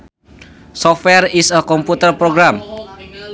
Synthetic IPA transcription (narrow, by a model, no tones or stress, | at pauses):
sɔfwɛrisəkɔmput̪ərpɾoɡɾam